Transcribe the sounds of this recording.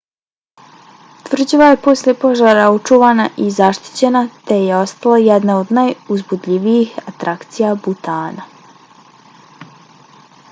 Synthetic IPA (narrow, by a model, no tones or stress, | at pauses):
t̪ʋr̩d͡ʑiʋaje̞po̞sle̞po̞ʒaɾaut͡ʃuʋanaʔizaʃt̪i̥t͡ɕe̞nat̪e̞jeo̞st̪alajɛd̪nao̞d̪najuzbud̪ʎʲiʋiixat̪ɾakt̪sijabut̪aːna